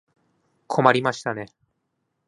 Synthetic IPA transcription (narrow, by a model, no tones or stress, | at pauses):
kʰo̞maɾʲimaɕi̥t̪ane̞